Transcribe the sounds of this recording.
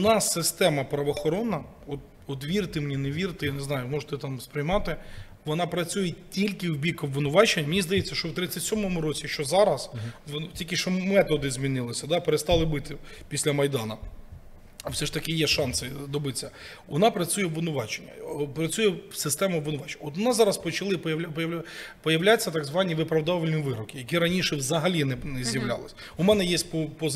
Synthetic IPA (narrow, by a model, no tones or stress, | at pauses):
ʊnɑsːɪst̪ɛmɐpɾɐʋɔːxɔɾɔnːɐ | ɔt̪ | ɔt̪ʋʲirt̪ɪmnʲineʋʲirt̪ɪjaneznɑjʊmɔʒt̪ɛt̪ɑmspɾɪjmɑt̪ɪ | ʋɔnɑpɾɐt͡sʲujɛtʲilʲkɪwbʲikɔbʋɪnʊʋɑt͡ʃenʲmnʲizd̪ɐjet͡sʲːɐʃt͡ʃɔwt̪ɾɪt͡sʲːɐtʲsʲɔmɔmʊɾɔt͡sʲiʃt͡ʃɔzɑɾɐsʋtʲilʲkɪʃt͡ʃɔmɛt̪ɔd̪ɪzʲmʲinɪlˠɪsʲɐd̪ɑpeɾest̪ɑlˠɪbɪt̪ɪpʲisʲlʲɐmɐjd̪ɑnɐ | ɐwsɛʐt̪ɐkɪjɛʃɑnsɪd̪ɔbɪt͡sʲːɐ | ʋɔnɑpɾɐt͡sʲujɛʋʊnʊʋɑt͡ʃenʲːɐ̰pɾɐt͡sʲujɛsɪst̪ɛmʊʋʊnʊʋɑt͡ʃe̥nɔt̪ʋɔnɑzɑɾɐspɔt͡ʃɐlˠɪjɐppɔjɐwlʲat͡sʲːɐt̪ɐɡzʋɑnʲiʋɪpɾɐwd̪ɑʋɪlʲnʲiʋɪɾɔkʲɪjɐk̬ʲiɾɐnʲiʃɛwzɐɦɐlʲinɛnɛzʲjɐʋlʲa̰lˠɪsʲ | ʊmɛnɛjesʲtʲpɔpɔ